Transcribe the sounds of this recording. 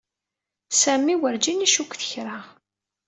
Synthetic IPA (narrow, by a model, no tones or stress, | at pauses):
sæmiwəɾd͡ʒiniʃukʷθə̥çɾa